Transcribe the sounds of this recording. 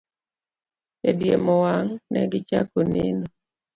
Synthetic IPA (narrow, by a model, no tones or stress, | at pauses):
edjemɔwaŋnɛ̰ɡɪt͡ʃakonḛnɔ